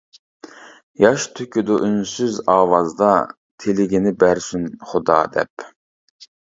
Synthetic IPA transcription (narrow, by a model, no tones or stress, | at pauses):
jɑʃt̪ʰøkʲyd̪ʊʔynsyzɑːwɑzd̪ɑ | t̪ʰelɪɡʲinɪbæɾsynχʊd̪ɑ̰ːd̪ɛ̰p